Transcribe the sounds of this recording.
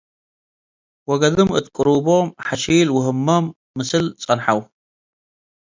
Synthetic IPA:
wɐɡɐðɨmɨ̰t̪kʼɨɾubomħaʃijlwʊɦɨmːɐmː | ɨsɨlt͡sʼɐnħaw

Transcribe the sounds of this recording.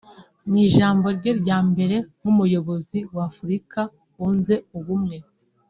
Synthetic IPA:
ɲiʒaːmbo̞ɾɟe̞ɾɟaːmbe̞ɾe̞mumujo̞βo̞ziwafuɾika | unze̞uβumŋe̞

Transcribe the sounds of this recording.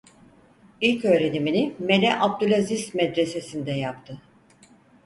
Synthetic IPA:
ilʲcø̞ːɾe̞niminimelʲɛʔab̚d̪ylʲazismɛd̪ɾe̞se̞sind̪ɛjapt̪ʰɯ

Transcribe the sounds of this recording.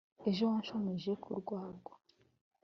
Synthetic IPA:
eʒont͡ʃomeʒekʰṵɾɡwaːɡo

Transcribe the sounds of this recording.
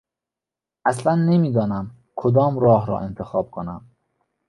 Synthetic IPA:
ʔæslænːemiːd̪ɒːnæm | kʰod̪ɒːmɾɒːɦɾɒ̰ːʔent̪ʰexɒːb̥̚kʰonæm

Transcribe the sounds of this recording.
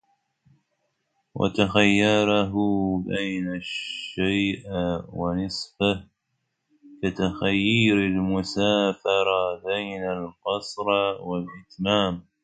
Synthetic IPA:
wa̰t̪axajːɑɾˤɑɦʊbajnaʃːajʔwanɨsˤfɪh | kat̪axajːiːɾalmʊsaːfɑɾˤɑbajnalqɑsˤɾwalʔɪt̪maːm

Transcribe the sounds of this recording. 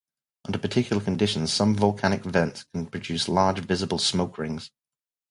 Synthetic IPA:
ʔʌ̃ndəpətʰɪkʰjl̩ˠəkʰə̃ndɪʃə̃nz̥sʌ̃ɱvəlˠkʰañɪkvɛ̃ntskʰə̃npʰɹ̥əd͡ʒʉˑslɑːd͡ʒvɪzəbəlˠsmoʊkʰɹɪ̃ŋz̥

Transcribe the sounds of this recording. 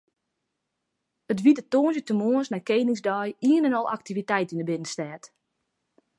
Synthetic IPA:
ətʋidətoːnzjətəmoənsnajkejːnɪŋzdœjiənɛnɔlˠʔa̰k̚tivitɛjtinəbɪnənstɛːt

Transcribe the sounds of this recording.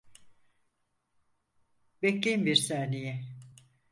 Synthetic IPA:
beclʲejmbiɾsaːnejɛ

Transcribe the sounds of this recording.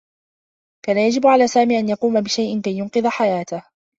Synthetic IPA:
kaːnajad͡ʒɪbʕalaːsaːmiːʔanjɑquːmabɪʃajʔɪnkajːʊnqɨðˤaħajaːt̪ah

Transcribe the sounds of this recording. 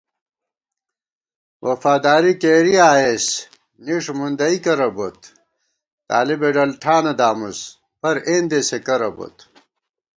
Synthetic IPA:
wʔɐfaːd̪aːɾikeːɾiaːes | niʂmund̪ɐikɐɾɐbot̪ | t̪a̰ːlibeɖɐlʈʰaːnɐd̪aːmus | pɐɾeːnd̪esekɐɾɐbo̰t̪

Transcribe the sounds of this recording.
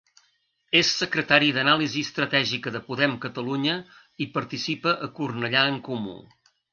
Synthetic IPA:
esːəkɾət̪aɾiðənaliziəst̪ɾət̪ɛʒikəðəpuðɛmkət̪əluɲə | ipəɾt̪isipəʔəkurnəʎaəŋkumṵ

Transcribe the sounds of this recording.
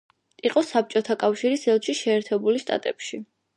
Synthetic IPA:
iqʼɔsap̚t͡ʃʼɔt̪ʰakʼafʃiɾisɛlˠʃiʃɛːɾt̪ʰɛbulʃt̪ʼa̰t̪ʼɛpʃi

